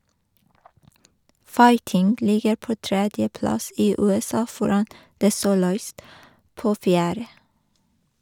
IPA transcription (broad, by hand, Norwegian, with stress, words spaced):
ˈfɑɪtɪŋɡ ˈlɪɡəɾ ˈpoː ˈtɾɛdjəˌplɑs ˈiː ˌʉːɛˈsɑː ˈfɔɾɑn ˈdeː ˈsuːlʊˌiːst ˈpoː ˈfjæːɾə